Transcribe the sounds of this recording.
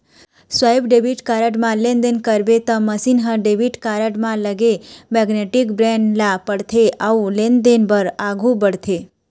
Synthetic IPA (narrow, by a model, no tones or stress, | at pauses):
sʋaibɖebiʈkaɾəʈmãlẽnd̪enkəɾbet̪ə̃məsinɦəɖebiʈkaɾəʈmãləɡemɛɡneʈikbɾeɳɖlapəɽt̪ʰeʔaulend̪enbəɾaɡʱũbəɽt̪ʰe